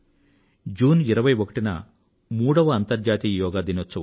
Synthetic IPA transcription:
d͡ʒuːniɾɐʋɐjʋokɐʈinɐ̰ | muːɽɐʋɐːnt̪ɐɾd͡ʒaːt̪iːɐjɔːɡaːd̪inot͡ʃːɐ

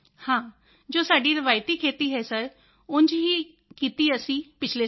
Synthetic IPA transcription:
hãː | d͡ʒoːsaːɖiːɾəʋaːjt̪iːkʰeːt̪iːɦɛːsəɾ | ʊnd͡ʒɦiː | kiːt̪iːəsĩːpɪt͡ʃʰleː

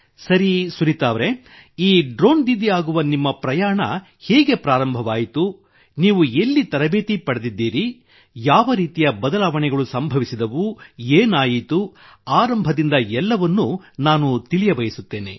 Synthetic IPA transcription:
sɐɾisuɾit̪aːʋɾe | iːɖɾo̞ːnd̪id̪iaːɡuʋɐnimːɐpɾɐjaːɳɐ̰ | hɛːɡe̞pɾaːɾɐmbʱɐʋaːjit̪u | niːʋuelːit̪ɐɾɐbeːt̪ipɐɽed̪id̪ːiːɾi | jaːʋɐɾiːt̪ijɐbɐd̪ɐlaːʋɐɳɛɡɐɭusɐmbʱɐʋisid̪ɐʋueːnaːjit̪uaːɾɐmbʱɐd̪ind̪ɐɛlːɐʋɐnːunaːnut̪ilijɐbɐjisut̪ːe̞ːne̞̰

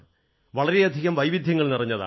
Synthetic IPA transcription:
ʋɐɭɐɾeɐd̪ʱiɣɐmʋɐjʋid̪ʱjɐŋːɐɭnirɐɲːɐða̰

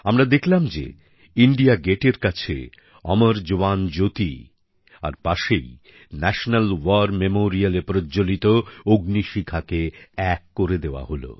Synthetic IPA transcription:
amɾad̪ekʰlamd͡ʑḛ | iɳɖiaɡeʈeɾkat͡ɕʰḛ | ɔmaɾd͡ʑoand͡ʑot̪i | a̰ɾpaʃḛj | nɛʃonalwaɾmemoɾialepɾod͡ʑolit̪ooɡniʃikʰakeɛkːoɾed̪eoa̰ɦolo̰

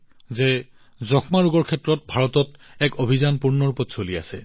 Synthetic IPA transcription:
zɛ | zɔkʰmaɹuɡɔɹkʰɛtɹɔt̚bʱaɹɔtɔtɛkobʱizanpuɹnɔɹupɔtsolia̰sɛ

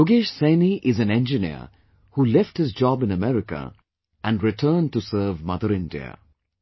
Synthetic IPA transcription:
ʊɡeːʃsẽːniʔɪzæ̃nɛ̃nd͡ʒɪnḭə̰ | huːlɛfʈhɪzd͡ʒɔːbɪ̃nəmɛɾɪkə̰ | ʔæ̃nɾɪʈʰəːn̚ʈusəːvmʌd̪əɾɪ̃ndḭə̰

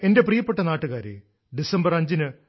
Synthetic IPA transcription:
e̞nde̞prijɐpːeʈːɐnaːʈːuɣaːɾḛ | ɖisɐmbɐrɐɲd͡ʑinɨ

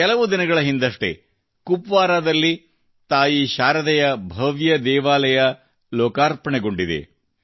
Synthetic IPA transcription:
kɛlɐʋud̪inɐɡɐɭɐɦind̪ɐʂʈe̞̰ | kupʋaːɾaːd̪ɐlːi | t̪aːjiʃaːɾɐd̪ɛjɐbʱɐʋjɐd̪ɛːʋaːlɐjɐ | lɔːkaːɾpɐɳɛɡo̞ɳɖid̪ḛ

